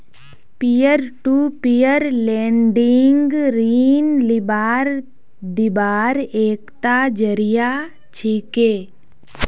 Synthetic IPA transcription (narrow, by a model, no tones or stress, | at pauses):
pijəɾʈuːpijəɾlẽːɳɖɪŋɡɾiːnlɪbaːɾ | d̪ɪbaːɾeːkt̪ad͡ʒəɾija | t͡ʃʰiːkeː